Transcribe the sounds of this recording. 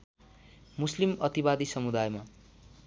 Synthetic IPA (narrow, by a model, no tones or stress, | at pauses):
muslimʌt̪ibad̪isʌmud̪ajma